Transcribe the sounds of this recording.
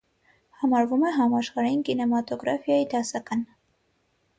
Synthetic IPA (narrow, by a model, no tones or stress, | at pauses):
hɑmɑɾvumɛɦɑmɑʃχɑɾɑjinkinɛmɑt̪ɔɡɾɑfjɑjid̪ɑsɑkɑn